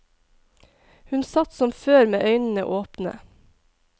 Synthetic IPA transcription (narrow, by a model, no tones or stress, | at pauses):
hʉnsɑt̪sɔmføːɾmeːʔœʏnn̩ə̰ʔoːpnə̰